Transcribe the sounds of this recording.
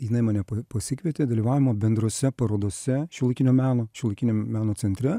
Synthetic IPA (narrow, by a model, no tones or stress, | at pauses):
jɪnɐɪmɑːnʲɛpɐpɐsʲɪkʋʲiɛt̪ʲeːd̪ɐlʲiːʋɑːʋʲɪmoːbʲɛnd̪ɾoːsʲɛpɐɾoːd̪oːsʲɛʃʲʊlˠɐɪkʲɪnʲoːmʲæːnoːʃʲɪʊlˠɐɪkʲɪnʲomʲæːnoːsʲɛnʲt̪ʲɾʲɛ